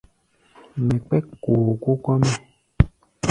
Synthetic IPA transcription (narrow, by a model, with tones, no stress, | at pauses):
mɛ̃˨k͡pɛ˦ko˨ko˦kɔ˦mɛ̃˦˨